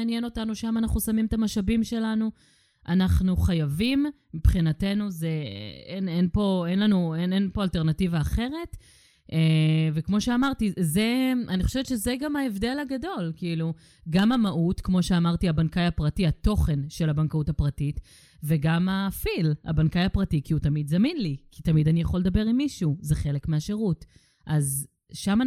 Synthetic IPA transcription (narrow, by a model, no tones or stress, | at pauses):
njeno̞tanuʃamanaχnusamimt̪amaʃabimʃe̞lanu | ʔanaχnuχajavimː | ipχinate̞nuzeenenpo̞e̞nlanuenenpo̞alte̞ʁnativaːχe̞ʁe̞t | ʔevekmo̞ʃeamaʁtizeaniχo̞ʃevetʃezeɡamaevd̪e̞laɡado̞lkiilu | ɡamamaʔutkmo̞ʃeamaʁtiabankajapʁatiato̞χe̞nʃe̞labankautapʁatit | veɡamafila̰bankajapʁatikiutamid̪zaminlikʰitamidanijaχo̞led̪abe̞ʁimːiʃuzeχe̞lekmeaʃeʁut | ʔaz | ʃama